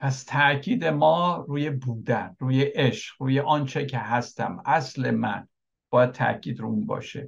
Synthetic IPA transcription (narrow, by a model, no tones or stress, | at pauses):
pʰæst̪ʰæʔcʰiːd̪emɒːɾuːjebuːd̪ænruːjeʔeʃɢ̥ɾuːjeʔɒːnt͡ʃʰecʰeɦæst̪æ̰mæsle̞mæn | b̥ɒːjæd̪̚t̪ʰæ̰ʔcʰiːd̪ɾounbɒ̰ːʃe